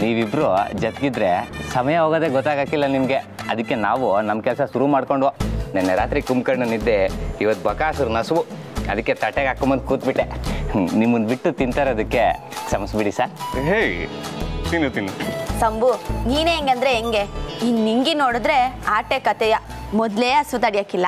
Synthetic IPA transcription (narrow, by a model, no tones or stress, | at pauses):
niːʋibɾod͡ʒɐt̪ɡid̪ɾesɐmɐjɐɦoːɡoːd̪eɡɔt̪ːaːɡaːkilːɐnimɐɡe̞ | ɐd̪ɨkːe̞naːʋunɐmkɛlsɐsuɾumaːɽkoɳɖʋonɛnːeɾaːt̪ɾikumkɐɾɳunid̪ːeiʋɐt̪ːbɐkaːsɐɾunɐsʋu | ɐd̪ɨkːe̞t̪ɐʈːeɡaːkːombɐn̚kuːt̪̚biʈːenimːɐnd̪biʈːut̪int̪aːɾeɐd̪ɨkːe̞ | sɐmɐsbiɽisaːɾɦe | t̪inut̪inːusɐmbuniːneːŋɡɐnd̪ɾeːŋɡeinːiŋɡinoːɽud̪ɾeaːʈekɐt̪ɛjɐ | mɔd̪leːɐsʋut̪ɐɽijaːkilːɐ